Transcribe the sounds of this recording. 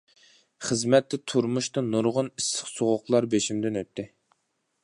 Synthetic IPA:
χəzmɛt̪ʰːɛt̪ʰuɾmuʃt̪ɑnuɾʁʊnisə̥χsoʁʊqlˠɑɾbeʃimd̪ɪnøt̪ːɪ

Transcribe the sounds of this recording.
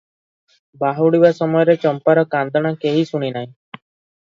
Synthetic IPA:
baɦɔɽibasɔmɔjɔɾet͡ʃɔmpaɾɔkand̪ɔɽ̃akeɦisuɽ̃inaɦĩ

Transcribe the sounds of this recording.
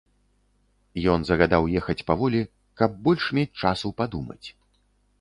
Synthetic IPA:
jɔnzɐɣad̪awjɛxɐt͡sʲpavɔlʲi | kɐb̚bɔlʲʂmʲet͡sʲt͡ʂasupad̪umɐ̰t͡sʲ

